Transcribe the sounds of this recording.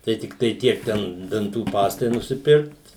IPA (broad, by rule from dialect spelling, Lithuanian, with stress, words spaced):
tɐɪ tʲɪkˈtɐɪ ˈtʲiɛk ˈtʲɛn dɐnˈtuː ˈpɑːstɐɪ nʊsʲɪˈpʲɪrkt